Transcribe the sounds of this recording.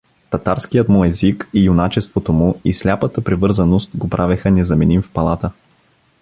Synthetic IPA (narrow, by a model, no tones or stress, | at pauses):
t̪ɐt̪aɾskijət̪mɔjɛzikijʊnat͡ʃɛst̪vot̪omʊislʲapət̪əpɾɛvɤɾzənost̪ɡopɾʔavɛxənɛzɐmɛnimfpɐlˠat̪ə